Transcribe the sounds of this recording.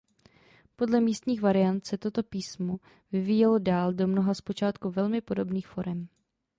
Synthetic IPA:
po̞dlɛmiːst̪ɲiːxvaɾɪant̪sɛt̪o̞t̪o̞piːsmo | vɪviːjɛlodaːldo̞mnoɦaspot͡ʃaːt̪kuvɛlmɪpo̞do̞bniːxfo̞ɾɛm

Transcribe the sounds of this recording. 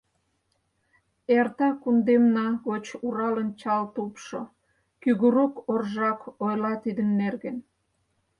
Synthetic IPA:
ert̪ɑkund̪emnɑɣot͡ɕuɾɑlənt͡ɕɑlt̪upʃo | kyɣuɾokorʒɑkojlɑt̪id̪ənːerɣen

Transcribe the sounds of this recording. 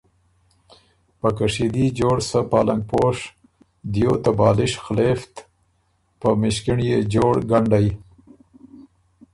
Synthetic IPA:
pəkaʂid̪id͡ʒoːɽsəpɑːlaŋɡ̚poʂ | d̪jot̪abɑːlɪʃxleft̪ | pəmɪʃkɪɳjed͡ʒoːɽɡaɳɖaj

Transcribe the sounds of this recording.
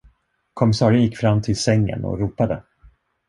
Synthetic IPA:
kʰɔmɪsɑːɾənjɪkːfɾamːt̪ʰɪlsɛŋːə̰nɔ̰ɾuːpad̪ə

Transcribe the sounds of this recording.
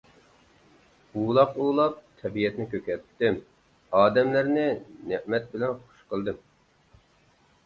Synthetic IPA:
ulˠɑquːlˠɑp̚t̪ʰɛbijɛt̪nɪkʲʰøkʲɛɾt̪ːɪm | ɑːd̪ɛmlæɾnɪnɪʔmɛt̪̚bɪlɛnχʊ̥ʃqəlˠd̪ɨm

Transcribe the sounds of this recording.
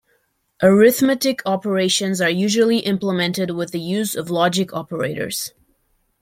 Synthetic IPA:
ʔə˞ɪθmɛɾɨkʰɑpə˞eɪʃɨ̃nzə˞jʉʒəl̩ˠiʔɪ̃mpləmɛ̃ntɨd̚wɪðɨjʉzʌvlɑd͡ʒɨkʰɑpə˞ḛɪɾə̰˞z̥

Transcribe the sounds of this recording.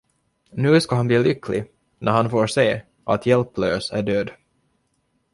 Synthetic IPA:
nʉ̟ːskaɦanbliːlʏkʰːlɪ̰ | nʔæɾhanfoːɾseː | ʔa̰t̪ʰjɛlpløːsæ̰ɖøːd̪

